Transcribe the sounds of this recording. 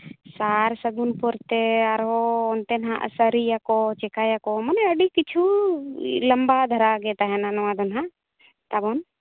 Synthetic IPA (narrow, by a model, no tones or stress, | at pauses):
saɾsəɡunpɔɾt̪ɛaɾɦɔːnt̪ɛnɦa̰ʔsəɾijakɔt͡ʃɛkajakɔmənɛəɖikit͡ʃʰu | ləmbad̪ʱəɾaɡɛt̪aɦɛnanɔwãd̪ɔnɦãʔ | t̪abɔn